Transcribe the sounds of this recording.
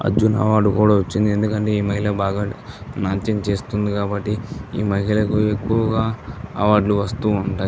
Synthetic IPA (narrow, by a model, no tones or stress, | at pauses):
ɐ̰d͡ʒunɐ̰ʋaːɖukuːɽaːʋɐt͡ʃːind̪ie̞nd̪ukɐɳʈe̞ːiːmɐɦilɐbaːɡaːnaːnt̪ɐnt͡ʃe̞ːst̪und̪ikaːbɐʈːiḭːmɐɦilɐkuekːuʋɐɡaːɐ̰ʋaːɖluʋɐst̪uːuɳʈaːj